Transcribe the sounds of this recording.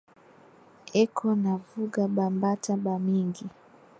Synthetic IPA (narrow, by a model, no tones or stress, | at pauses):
ɛkʰɔnavuɡaɓambataɓamiŋɡi